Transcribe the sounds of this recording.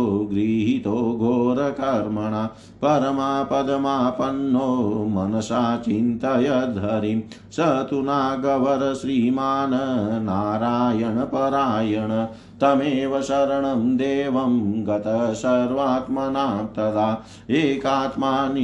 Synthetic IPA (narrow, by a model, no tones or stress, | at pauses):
oɡɾiːɦit̪oːɡʱoːɾɐkɐɾmɐɳa | pɐɾɐmaːpɐd̪ɐmaːpɐnːoːmɐnɐsaːt͡ʃint̪ɐjɐd̪ʱɐɾi | sɐt̪unaːɡɐʋɐɾɐʃɾiːmaːnɐnaːɾaːjɐɳɐpɐɾaːjɐɳɐ | t̪ɐmeːʋɐsɐɾɐɳɐmd̪eːʋɐmɡɐt̪ɐsɐɾʋaːt̪mɐnaːt̪ɐd̪aː | eːkaːt̪maːn